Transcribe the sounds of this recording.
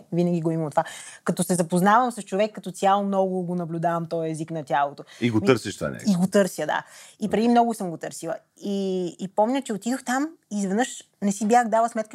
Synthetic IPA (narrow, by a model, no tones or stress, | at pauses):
vinɐɡʲiɡoimɐmt̪ovakɐt̪ɔsɛzɐpoznavɐmsɐst͡ʃovɛkːɐt̪ɔsʲjalˠomnɔɡʊɡonɐblʲud̪avɐmt̪ɔjɛziknɐt̪ʲalˠot̪oiɡot̪ɤɾsiʃt̪a̰nʲɛ̰iɡot̪ɤɾsjəd̪a̰ipɾɛd̪imnɔɡʊsɤmɡot̪ɤɾsilˠɐ̰ | iːpɔmnʲət͡ʃɛot̪id̪oxt̪amizvɛd̪nɤʃ | nɛsibjaxd̪alˠəsmɛt̪̚kə